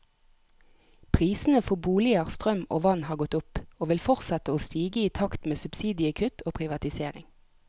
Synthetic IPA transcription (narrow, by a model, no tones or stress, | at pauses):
pʰʁiːsn̩əfɔbuːlɪəʁst̪ʁœmo̰ːʋɑnhɑːʁɡɔt̪ʊpoːʋɪlfɔʁt̪sɛt̪əoːst̪iːɡəiːt̪ʰɑkt̪meːsʉb̥siːd̪ɪəkʰʉt̪ʰoːpʰʁɪʋɑt̪ɪseːʁɪ̰ŋ